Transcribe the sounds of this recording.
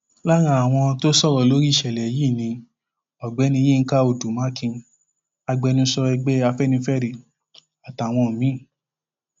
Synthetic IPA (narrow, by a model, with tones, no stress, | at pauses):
la˦ɾ̃ã˧a˨w̃ɔ̃˧to˦sɔ˦˨ɾɔ˨lo˨˦ɾi˦˨ʃɛ˨lɛ˨ji˦˨nĩ˧ | ɔ˨ɡ͡bɛ˨˦nĩ˧jẽ˦˧˦ka˦o˨du˨mã˨˦kĩ˧ | a˧ɡ͡bɛ˧˦nũ˧˦sɔ˧ɛ˧ɡ͡bɛ˦a˧fɛ˦nĩ˧˦fɛ˦ɾi˨ | a˨ta˨w̃ɔ̃˧˨mĩ˨˦˨